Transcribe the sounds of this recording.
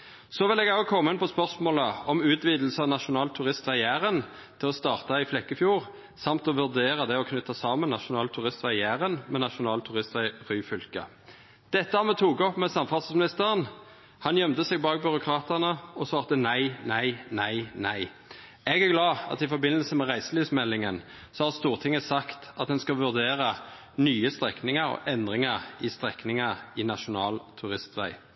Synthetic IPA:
sɔʋɪlɛɡɑkʰɔmːɪnpɔspœʁsmoːləɔmʉːt̪ʰʋiːd̪l̩səɑʋnɑʃʊnɑːlt̪ʰʉʁɪst̪ʋɑjæːʁən | t̪ʰɪlɔst̪ɑːʁt̪ɑɪflɛkːəfjuːʁ | sɑmt̪ɔʋʉʁd̪eːʁəd̪ɛɔkʰnʏt̪ːɑsɑːmənnɑʃʊnɑːlt̪ʰʉʁɪst̪ʋɑjæːʁənmɛnɑʃʊnɑːlt̪ʰʉʁɪst̪ʋæʁyːfʏlkə̰ | d̪̥ɛt̪ːəhɑmɛt̪ʰuːɡɔpmɛsɑmfɑʁssmɪnɪst̪əʁən | hɑnjœmt̪əsɛɡbɑːɡ̚bʏʁʊkʰʁɑːt̪əʁnəɔsʋɑːʁt̪ənæɪnæɪnæɪnæɪ | ɛɡæʁɡlɑːɑ̰t̪ɪfɔɾbɪnəlsəmɛʁæɪsəlyːsmɛlːɪŋən | sɔhɑʁst̪uːʁt̪ʰɪŋəsɑkt̪ɑt̪̚d̪ɛnskɑʋʉʁd̪eːʁə | nyːəst̪ʁɛknɪŋəʁɔ̰ʔɛnd̪ʁɪŋɑʁɪst̪ʁɛknɪŋɑɪnɑʃʊnɑːlt̪ʰʉʁɪst̪ʋæ̰ɪ

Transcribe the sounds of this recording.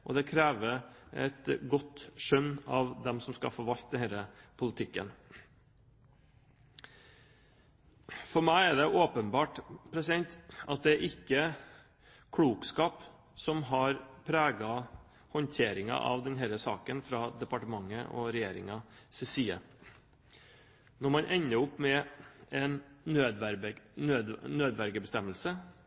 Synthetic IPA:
ʔɔ̰d̪ɛkʰɾæːʋəɛ̰t̪ɡɔt̪ʂœnːɑʋd̪ɛmsɔmskɑ̰fɔɾʋɑlt̪d̪ɛnhæːɾəpʰʊlɪt̪ʰɪkːə̰n | fɔɾmæɪæɖɛʔoːpənbɑːʈpʰɾɛsɪd̪ɛnt̪ʔɑt̪̚d̪ɛæɾʔɪkːə | kʰɽuːkskɑːp | sɔmɦɑɾpʰɾæːɡɑ | hɔnt̪ʰeːɾɪŋɑ̰ʔɑ̰ʋd̪ɛnɦɛɾəsɑ̰ːkənfɾɑːd̪ɛpɑʈəmɑŋːəʔɔ̰ɾɛjeːɾɪ̰ŋɑsɛsiːə | nɔɾmɑnʔɛɲːəʊpːmɛɛnød̪æøːd̪nːøːd̪ʋæɾɡəbəst̪ɛməlsə

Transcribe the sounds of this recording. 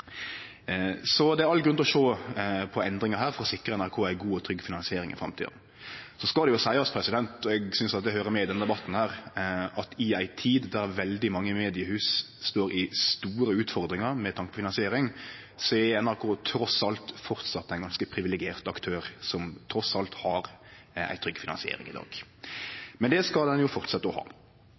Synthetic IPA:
sɔd̪ɛæɾɑlɡɾʉnt̪ɔʃoːpʰɔɛnd̪ɾɪŋəɦæːɾfɔɾɔsɪkɾəɛnæɾkʰoːæɪɡuːɔt̪ʰɾʏɡːfɪnɑnsɪeːɾɪ̰ŋɪ̰fɾɑ̰mt̪ʰḭːd̪̩ | sɔskɑld̪ɛjʊsæɪɑspʰɾɛsɪd̪ɛnt̪ɔɛɡsʏnsɑt̪̚d̪ɛhøːɾəmɛɪd̪ɛnəd̪ɛbɑt̪ːn̩hæːɾɑt̪ʰɪæɪt̪ʰiːd̪d̪æɾʋɛld̪ɪmɑŋːəmeːd̪ɪəhʉːs | st̪oːɾɪst̪uːɾəʉːt̪fɔɾd̪ɾɪŋəɾmɛt̪ʰɑŋkəpʰɔfɪnɑnsɪeːɾɪŋ | sɔɛɛnæɾkʰuːt̪ʰːɾɔsɑlt̪fɔɾt̪sɑt̪ːæɪɡɑnskəpʰɾɪʋɪlɛɡɪeːʁt̪ɑkt̪ʰøːɾsɔmt̪ʰɾɔsɑlt̪hɑɾ | æ̰ɪt̪ʰɾʏɡːəfɪnɑnsɪḛːɾɪ̰ŋɪ̰d̪ɑ̰ːɡ̥ | mɛnd̪ɛskɑld̪ɛnjʊfɔɾt̪sɛt̪ːəɔhɑ̰ː

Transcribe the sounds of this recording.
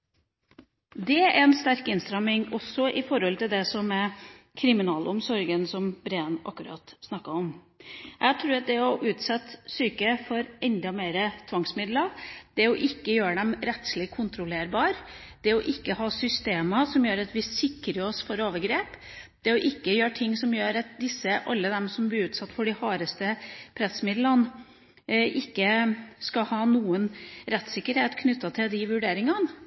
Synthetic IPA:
d̪ɛæɾɛnst̪æɾkɪnst̪ɾɑmɪŋɔsːɔʔɪfɔɾhɔlt̪ɪld̪ɛsɔmɛ | kʰɾɪmɪnɑːlʊmsɔɾɡənsɔmbɾeːnʔɑ̰kːʉɾɑ̰ːt̪snɑkːəɔm | ʔæɡt̪ʰɾʉːɾɑt̪̚d̪ɛɔʔʉːt̪sɛt̪syːkəfɔɾɛnd̪ɑmeːɾət̪ʰʋɑŋsmɪd̪ləd̪̥ɛɔʔɪkːəjøːəɖ̪ɛmɾɛt̪slɪkʰʊnt̪ɾʊleːɾbɑːɾ | d̪̥ɛɔʔɪkːəhɑːsʏst̪eːmɑsɔmjøːɾɑt̪ʋɪsɪkːɾəɾɔsfɔɾoːʋəɡɾeːp | d̪̥ɛɔʔɪkːəjøːʈʰɪŋːsɔmjøːɾɑt̪̚d̪ɪsːəʔɑ̰lːəd̪ɛmsɔmblɪɾʉːt̪sɑt̪ːfɔɖɪhɑːɾəst̪əpʰɾɛsmɪd̪lən | ʔɪkːəskɑhɑːnuːənɾɛt̪ːsɪkːəɾheːt̪kʰnʉt̪ːɑt̪ʰɪld̪ɪʋʉɖeːɾɪŋɑn

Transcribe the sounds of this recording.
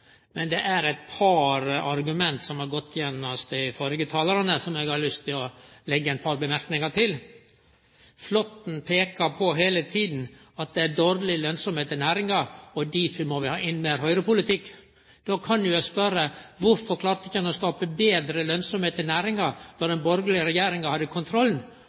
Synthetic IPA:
mɛnd̪ɛʔæɾæɪt̪̚pʰɑɾɑɾɡʉmɛnt̪sɔmhɑɾɡɔt̪ʰːjɛnːɔst̪ɪfɔɾɡət̪ʰɑːləɾɑnəsɔmɛɡhɑlʏst̪ʰːɪlɔlɛɡːəæɪnpʰɑɾbəmæɾknɪŋɑʈ̪ʰɪl | flɔt̪n̩pʰeːkəɾpʰɔɦeːlət̪ʰiːd̪n̩ | ɑt̪̚d̪ɛæɖoːɾlɪlœnsɔmheːt̪ɪnæːɾɪŋɑɾɔd̪ifmɔʋɪhɑːʔɪnːmeːɾɦœʏɾəpʊlɪt̪ʰɪkː | d̪̥oːkʰɑnjʊjɛspœɾəʋʊɾfɔɾkʰlɑːɾt̪ɪkːɛnɔskɑːpəbeːd̪ɾəlœnsɔmheːt̪ɪnæːɾɪŋɑɾd̪ɔd̪ɛnbɔɾɡəlɪəɾɛjeːɾɪŋɑhɑd̪ːəkʰʊnt̪ʰɾɔlːn

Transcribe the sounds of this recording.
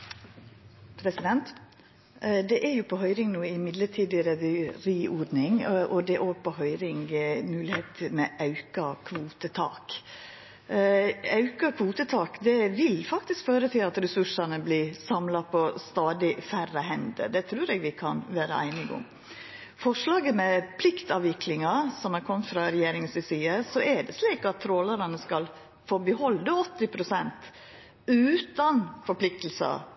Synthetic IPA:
pʰɾɛsɪd̪ɛnt̪ | d̪ɛʔæɾjʊpʰɔɦœʏɾɪŋnuːəɪmɪd̪ləʈʰiːd̪ɪɾɛɾiːʔɔd̪nɪŋʔɔd̪ɛʔoːɡ̚pɔɦœʏɾɪŋmʉːlɪheːt̪ʰmɛʔɑʉkɑkʰʋuːt̪ət̪ʰɑ̰ːk | ɑʉkɑkʰʋuːt̪ət̪ʰɑːkd̪ɛʋɪlfɑkt̪ɪskføːɾət̪ʰɪlɑt̪ɾɛsʉʂɑnəbliːsɑmlɑpʰɔst̪ɑːd̪ɪfærəhɛnd̪ə̰d̪ɛt̪ʰɾʉːɾɛɡʋɪkʰɑnʋæːɾəæ̰ɪnɪɡʊ̰m | fɔʂlɑːɡəmɛpʰlɪkt̪ɑːʋɪkʰlɪŋɑsɔmæɾkʰɔmfɾɑɾɛjeːɾɪŋəsʋɪsiːəsɔæɖɛsliːkɑt̪ʰːɾoːlɑɾɑnəskɑl | foːbəhɔld̪əɔt̪ːɪpʰɾʊsɛnt̪ | ʉːt̪ɑnfɔɾpʰlɪk̚t̪l̩sɑ̰

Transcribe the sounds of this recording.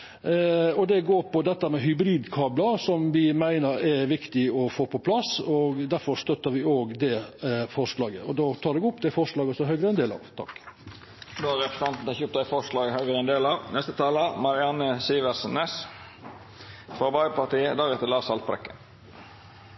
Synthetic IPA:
ɔd̪ɛɡoːɾpɔd̪ɛt̪ːəmɛɦʏbɾiːd̪kʰɑːbləsɔmʋɪmæɪnəɾɛʋɪkt̪ɪɔfoːpʰɔpʰlɑsɔɡd̪æɾfɔɾst̪œt̪ːəɾʋɪoːɡd̪ɛfɔɾʂlɑːɡəɔd̪ɑt̪ʰɑːɾd̪ɛɡʊpːd̪ɛæfɔɾʂlɑːɡɔsɔɦœʏɡɾəɛnd̪eːlɑ̰ːʋt̪ʰɑ̰kː | d̪oːæɾɛpɾəsɛnt̪n̩ɛçɔp̚t̪æɪfɔɾʂlɑːɡəhœʏɡɾəɛnd̪eːlɑʋnɛst̪ət̪ʰɑːləmɑɾɪɑnəsiːʋəsənɛs | fɾɑbɑɪpɑʈ̪iːəd̪æːɾɛt̪əɾlɑːsɑlt̪pɾɛ̰kːə̰n

